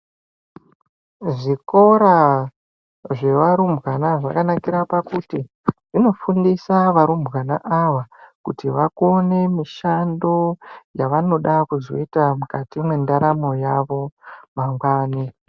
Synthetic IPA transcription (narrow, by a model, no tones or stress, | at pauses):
ʐiko̞ɾa | ʐe̞ʋaɾumbɣanaʐakanakiɾapakuti | ʐ̥ino̞fundisaʋaɾumbɣana̰ʔaʋakutiʋakone̞miʃando̞jaʋano̞ɗakuzo̰itamukatimwendaɾamo̞jaʋo̞maŋɡwaːni